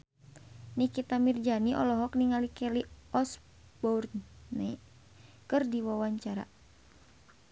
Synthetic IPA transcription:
nikit̪amird͡ʒaniʔɔlɔɦɔkniŋalikɛliɔs | bɔrnɛ | kɨrdiwawaɲt͡ʃaɾa̰

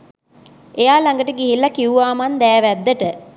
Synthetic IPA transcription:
ejaːlaŋɡəʈəɡiɦilːakiuʋaːmand̪ɛːʋæd̪ːəʈə

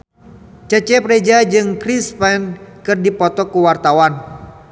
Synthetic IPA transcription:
t͡ʃət͡ʃɛpɾed͡ʒad͡ʒɨŋkɾispɛnkɨrdipɔt̪ɔkuwart̪awan

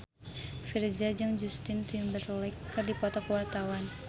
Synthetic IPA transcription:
fird͡ʒad͡ʒaŋd͡ʒust̪ɪnt̪imbərlɛkːɨrdipɔt̪ɔkəwart̪awan

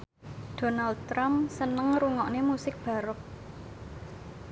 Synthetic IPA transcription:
d̥o̤nald̪̚t̪ɾamsənəŋɾuŋɔʔnemusɪk̚b̥ä̤ɾʊk̚

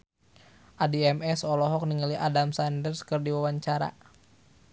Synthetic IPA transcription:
ʔadiɛmɛsɔlɔɦɔk̚niŋəliʔadamsandərskərdiwawaɲt͡ʃaɾa̰

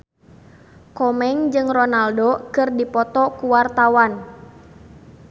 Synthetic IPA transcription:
kɔmɛŋd͡ʒɨŋrɔnaldokɨrdipɔt̪ɔkuwart̪awan

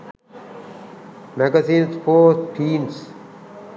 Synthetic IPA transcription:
mæɡasĩːnspoːsʈʰiːns

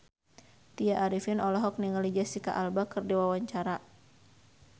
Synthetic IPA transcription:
t̪ijaʔaɾifinɔlɔɦɔk̚niŋəlid͡ʒasika̰ʔalbakɨrdiwawaɲt͡ʃaɾa

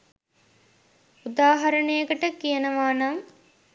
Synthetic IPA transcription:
ud̪aːɦɐɾəɳejəkəʈəkijənəʋaːnaŋ

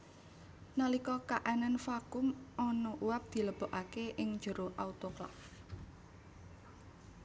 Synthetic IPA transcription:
nalikɔkaʔananfakʊmɔnɔʔuwap̚d̪̥i̤ləb̥ɔ̤ʔakeʔɪŋ̥d͡ʒ̥ə̤ɾoʔaut̪oklɔ̰f

